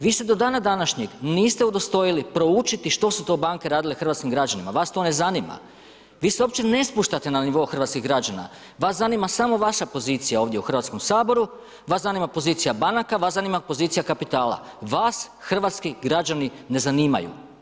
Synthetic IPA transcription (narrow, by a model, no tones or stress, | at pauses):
ʋiːsed̪o̞d̪aːnad̪anaʃɲeɡniːst̪eud̪o̞st̪o̞jilipɾo̞ut͡ʃit̪iʃt̪o̞sut̪o̞ːbaːŋke̞ɾaːd̪ilexr̩ʋat̪kimɡɾad͡ʒanimaʋaːst̪o̞ne̞zanima̰ | ʋiːseo̞pt͡ʃene̞spuʃt̪at̪e̞naniʋo̞uxr̩ʋat̪kiɣɡɾad͡ʑana̰ | ʋaːsanimasamo̞ʋaʃapo̞ziːt̪sijao̞ːʋd̪je̞uxr̩ʋat̪sko̞msaːbo̞ɾu | ʋaːszanimapo̞zit̪sijabanakaʋaːsanimapo̞ziːt̪sijakapit̪aːlˠa̰ | ʋaːsxr̩ʋaːt̪skiɡɾad͡ʒani | ne̞zaniːma̰jṵ